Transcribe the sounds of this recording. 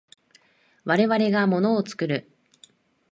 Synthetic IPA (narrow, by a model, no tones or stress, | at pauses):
βaɾe̞βaɾe̞ɡamo̞no̞ːt͡sɨ̥kɯ̟ɾɯ̟